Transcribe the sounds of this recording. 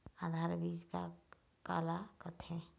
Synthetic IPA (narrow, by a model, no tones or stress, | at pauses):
ad̪ʱaːɾbiːd͡ʒka̰ | ka̰ːlakət̪ʰẽ